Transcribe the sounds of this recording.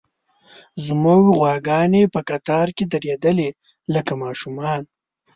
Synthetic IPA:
zumowiɣwɑːɡɑnepəkat̪ɑːɾked̪ɐɾed̪əle | ləkamɑʃumɑːn

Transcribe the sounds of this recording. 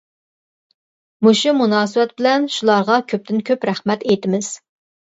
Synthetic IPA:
muʃumunɑːsɨwɛt̪̚bɪlɛnʃulˠɑɾʁɑkʲʰøp̚t̪ɪnkʲʰøpɾæχmɛt̪ejt̪ɪmɪz̥

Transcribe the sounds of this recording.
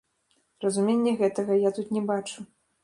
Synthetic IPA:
rɐzumʲenʲːɛɣɛt̪ɐɣɐjat̪ut̪nʲɛbat͡ʂu

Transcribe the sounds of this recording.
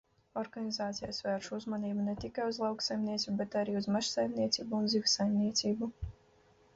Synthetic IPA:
ɔɾɡanʲizaːt̪sijasvɛːɾʃuzmaniːbunet̪ikajuzlˠɑwksajmniɛt̪sʲubɛt̪aɾiːuzmaʃsajmniɛt̪sʲiːbuːnzivʲsajmnʲiɛt̪siːbu

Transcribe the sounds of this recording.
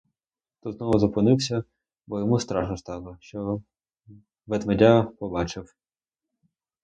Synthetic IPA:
t̪ɔznɔʋʊzɔpɔnɪwsʲɐ | bɔjɔmust̪ɾɑʒnɔst̪ɑlˠɔʃt͡ʃɔ | ʋet̪ʋɐdʲapɔbɑt͡ʃɪw

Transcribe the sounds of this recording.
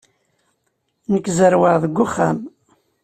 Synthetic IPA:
nəkːzəɾwəʁðəɡʷːʊχːæ̰m

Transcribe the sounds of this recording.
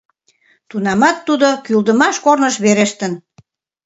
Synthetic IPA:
t̪unɑmɑt̪ːud̪okyld̪əmɑʃkornəʃβeɾeʃt̪ən

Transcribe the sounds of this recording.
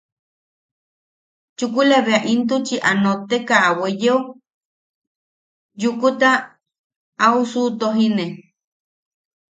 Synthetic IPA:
t͡ʃukulaβeaʔint̪ut͡ʃiʔanot̪ekaːwejeu | jukut̪aː | usut̪oɦine

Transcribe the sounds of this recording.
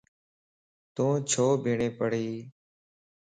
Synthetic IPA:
t̪õːt͡ʃʰoːbʱiːɳẽːpəɽ̤iː

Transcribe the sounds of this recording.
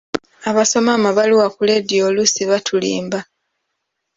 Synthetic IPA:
aβaso̞maːmaβaliwakuledjolusiβatʰulḭːmba

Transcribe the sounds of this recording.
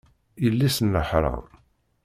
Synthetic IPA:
ilːisənːəħɾˤɑ̰

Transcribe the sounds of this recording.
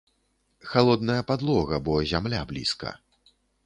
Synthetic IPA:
xalˠɔd̪nɐjɐpad̪lˠɔɣɐbɔzʲamlʲablʲḭskɐ̰

